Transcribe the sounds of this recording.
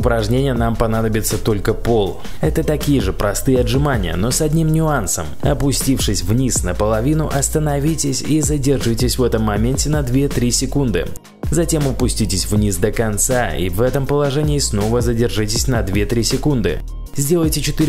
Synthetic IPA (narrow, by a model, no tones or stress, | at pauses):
ʊpɾɐʐnʲenʲɪjənampɐnad̪əbʲɪt̪sət̪o̞lʲkəpo̞lˠ | ɛt̪ət̪ɐkʲijɪʐɨpɾɐst̪ɨjəɐdʐɨmanʲɪ̰jə̰no̞sɐdʲnʲimnʲʊansə̰mɐpʊsʲtʲifʂɨsʲvnʲisnəpəlˠɐvʲinʊʔɐst̪ənɐvʲitʲɪsʲizədʲɪrʐɨtʲɪsʲvɛt̪əmːɐmʲenʲtʲɪnɐd̪vʲe̞t̪ɾʲisʲɪkund̪ɨ̰ | zɐtʲe̞mʊpʊsʲtʲitʲɪsʲvnʲisd̪əkɐnt̪saḭvɛt̪əmpəlˠɐʐɛnʲɪɪsno̞vəzədʲɪrʐɨtʲɪsʲnɐd̪vʲe̞t̪ɾʲisʲɪkund̪ɨ̰ | zʲdʲe̞lˠəjtʲɪt͡ɕɪt̪ɨɾʲ